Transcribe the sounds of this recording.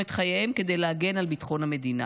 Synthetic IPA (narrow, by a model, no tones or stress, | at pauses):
et̪χajemked̪ejleaɡe̞nalbit̪χo̞nhame̞d̪ina̰